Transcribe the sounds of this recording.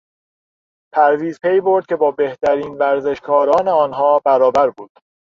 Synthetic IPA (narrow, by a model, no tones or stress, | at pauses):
pʰæɾviːzpʰe̞jbo̞ɾd̪̚kʲcʰe̞bɒːbeht̪æɾiːnvæɾze̞ʃkʰɒːɾɒːneɒːnɦɒːbæɾɒːbæɾbuːd̪̥